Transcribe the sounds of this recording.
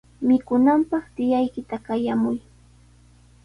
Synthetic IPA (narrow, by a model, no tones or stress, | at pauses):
mɪkʊnampɑχt̪ɪjajkɪt̪akajamʊj